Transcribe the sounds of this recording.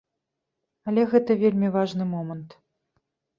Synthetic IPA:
alʲɛɣɛt̪ɐvʲelʲmʲivaʐnɨmɔmənt̪

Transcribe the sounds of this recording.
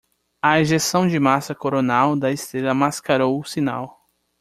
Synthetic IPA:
ɐeʒesɐ̃w̃d͡ʒɪmasɐkoɾonawd̪ɐest̪ɾelɐmaskaɾowʊsina̰w

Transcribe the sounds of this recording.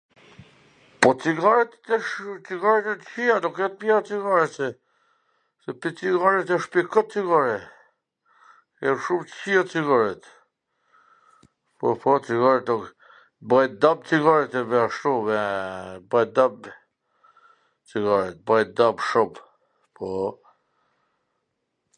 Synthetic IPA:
pɔt͡siɡaɾɛt̪ɛʃt͡siɡaɾɛt̪ɛt̪əçianukjɛt̪̚pjɛat͡siɡaɾɛt̪ɛ | sɛpit͡siɡaɾɛt̪aʃpikət͡siɡaɾɛ | jɛʃumt̪çiat͡siɡaɾɛt̪ | pɔpɔt͡siɡaɾɛt̪nuk | bajd̪ab̚t͡siɡaɾɛt̪ɛvɛaʃt̪uvɛbajd̪ab | t͡siɡaɾɛt̪̚bajd̪abʃumb | pʰɔ

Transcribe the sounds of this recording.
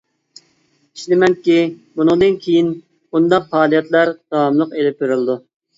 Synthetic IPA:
i̥ʃlɪmɛnkʲibunɨŋd̪ɨnkʲʰejin | bund̪ɑq̚pɑːlˠijɛt̪lˠæɾd̪̥ɑwɑmlˠəqelɪp̚beɾɪlɨd̪u

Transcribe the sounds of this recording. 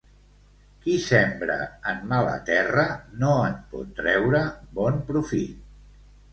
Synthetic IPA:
kisɛmbɾə̰əmmalə̰t̪ɛrənoənpɔ̰t̪ːɾɛwɾəbɔnpɾufi

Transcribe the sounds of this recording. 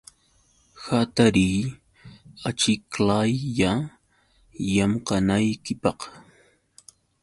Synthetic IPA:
xat̪aɾiː | at͡ʃɪklajːa | jamqɑnajkɪpɑq

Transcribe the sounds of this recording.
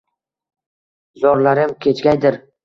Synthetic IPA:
zɒɾlaɾɪmkʲʰe̞t͡ʃɡʲajd̪ɪɾ

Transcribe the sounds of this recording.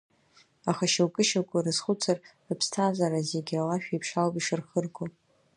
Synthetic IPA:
aχaʃawkʼɨʃakʷʼʊrɨzχʷʊt͡sʰarrɨpʰstʰazaɾazeɡʲalaʃᶣaipʰʂalpʼiʂɨrχərɡʼo

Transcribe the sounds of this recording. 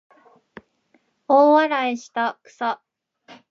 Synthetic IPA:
oːβaɾaeɕi̥t̪akɯ̟̥sa

